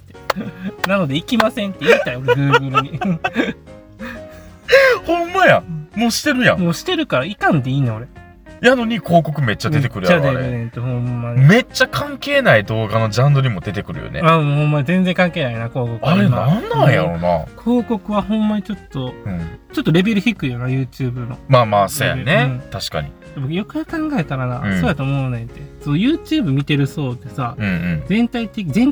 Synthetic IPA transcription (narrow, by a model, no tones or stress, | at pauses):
enano̞d̪e̞ikʲimasẽ̞nt̪ːeit̪aio̞ɾeɡɯ̟ːɡɯ̟ɾɯ̟ɲ̟i | hõmːajãmoːɕi̥t̪e̞ɾɯ̟jã̰moːɕi̥t̪e̞ɾɯ̟kaɾaikãnt̪eiːnaoɾe̞ | jano̞ɲ̟iko̞ːko̞kɯ̟me̞t͡ɕːad̪e̞t̪e̞kɯ̟ɾɯjaad̪ejnẽt̪ohõmːaɲʲme̞t͡ɕːakʰãŋke̞ːnaid̪o̞ːɡano̞d͡ʑãnd̪oɲ̟imo̞d̪e̞t̪e̞kɯ̟ɾɯ̟̰jo̰nḛamohõmːaɲizẽ̞nzẽ̞ŋkãŋke̞ːnainako̞ːko̞kɯaaɾemaãnːãjaɾona̰kʰo̞ːko̞kɯ̟βahõ̞mːaɲ̟it͡ɕo̞t̪ːo̞ɯ̃t͡ɕo̞t̪ːoɾe̞be̞ɾɯ̟çʲikɯ̟jonajɯ̟ːt͡ɕɨːbɯ̟no̞̰maːmaːsoja̰neɯ̃t̪aɕi̥ka̰ɲ̟ḭ | d̪abokɯjokajakãŋɡae̞t̪aɾanãsoːjat̪oːmonẽnt̪ːesojɯ̟ːt͡ɕɨːbɯ̟mʲit̪e̞ɾɯ̟so̞ːd̪e̞saɯ̟̃ɯ̃ɴzẽ̞nt̪ait̪ːe̞kʲizẽ̞n